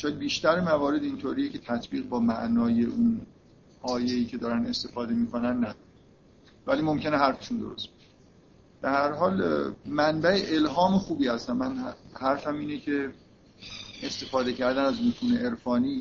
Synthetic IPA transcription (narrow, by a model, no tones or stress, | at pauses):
ʃɒːjd̪̚biːʃt̪æɾemævɒːɾe̞d̪int̪ʰoːɾijecʰe̞t̪ʰæt̪ʰbiːɣbɒːmæʔnɒːje̞ʔun | ɒːje̞iːcʰe̞d̪ɒːɾæne̞st̪e̞fɒːd̪e̞miːkonænːæd̪ɒːɾæ | væliːmo̞mcʰe̞neɦæɾfe̥ʃund̪o̰ɾo̞̰st̪̚beʃe | b̥ehæɾɦɒːlmænbæeʔelɦɒːmexuːbiːhæst̪ænmænhæɾfæmiːnecʰe̞ | est̪e̞fɒːd̪e̞cʰæɾd̪ænæzmut̪ʰuːneʔeɾfɒːniː